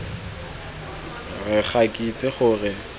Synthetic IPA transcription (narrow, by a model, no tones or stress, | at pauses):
rɪχʰakʼit͡sʼɪχʊːrɪ